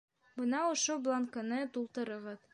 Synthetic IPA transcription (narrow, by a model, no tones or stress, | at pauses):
bɤ̆nɑŏʃoblˠaŋkanɤt̪ulˠt̪ɤ̆ɾɤ̆ʁɤð